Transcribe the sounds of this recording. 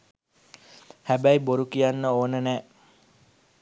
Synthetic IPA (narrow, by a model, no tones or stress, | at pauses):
hæbæjboɾukijanːəoːnənæː